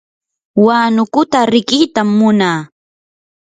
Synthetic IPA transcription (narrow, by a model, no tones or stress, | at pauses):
waːnʊkʊt̪aɾɪkijt̪amːʊnaː